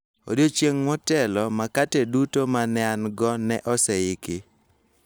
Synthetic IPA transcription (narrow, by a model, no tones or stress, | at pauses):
o̰dot͡ʃjeŋmɔtɛlɔmakatɛdutomanɛanɡɔnɛʔɔsɛɪkɪ